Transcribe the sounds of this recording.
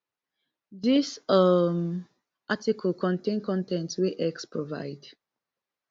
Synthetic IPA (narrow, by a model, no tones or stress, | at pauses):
ðisʌm | ʔatikʰəlkʰɔ̃ntẽnkɔ̃ntɛ̃ntweʔɛkspɹova̰ɪd